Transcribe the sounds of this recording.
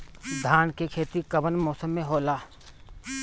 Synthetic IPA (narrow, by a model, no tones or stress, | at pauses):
d̪ʱaːnkekʰeːt̪ikɐbənmoːsəmːẽɦoːlaː